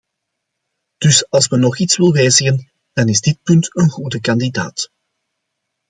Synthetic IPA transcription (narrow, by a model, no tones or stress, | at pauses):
d̥ʏsɑlˠsmənɔχitswɪlˠʋɛːzəɣən | d̥ɑnɪzdɪt̚pʏntənɣudəkɑndida̰ːt